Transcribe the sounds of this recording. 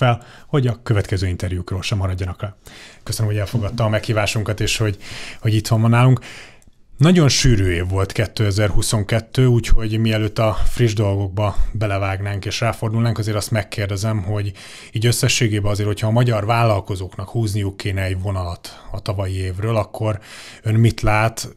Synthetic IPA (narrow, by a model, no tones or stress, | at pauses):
ɛl | ho̞ɟɒkø̞vɛt̪kɛzøːint̪ɛrjukrøːlʃɛmːɒɾɒɟːɒnɒklɛkøsønømɦoɛlfo̞ɡɒt̪ːɒɒmɛkhiːvaːʃuŋkɒt̪eːʃho̞ɟho̞ɟit̪ʋɒɱvɒnːaːluŋk | nɒɟo̞nʃyːɾøːeːvːo̞lt̪kɛt̪ːøɛzɛrhuso̞ŋkɛt̪ːøːuːcho̞ɟmiɛløːt̪ːɒfriʒd̪o̞lɡo̞ɡ̚bɒbɛlɛvaːɡnaːŋkeːʃraːfo̞rd̪ulnaːŋkɒzeːɾɒst̪mɛkːeːrd̪ɛzɛmɦo̞ɟ | iːɟø̞sːɛʃːeːɡeːbɛɒzeːɾrhochɒːmɒɟɒrvaːlːɒlko̞zoːknɒkhuːznijukːeːnɛɛɟvo̞nɒlɒt̪ɒt̪ɒvɒjieːvrøːlɒkʰːo̞rønmit̪laːt̪